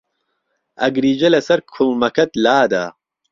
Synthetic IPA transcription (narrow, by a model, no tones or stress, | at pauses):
ʔɐɡɾiːd͡ʒɐlɐsɐɾkʰulmɐkʰɐt̪laːd̪a̰ː